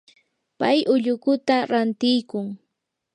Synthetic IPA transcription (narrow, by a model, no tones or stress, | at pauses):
pajʔʊʎʊkʊt̪aɾant̪ɪjkʊŋ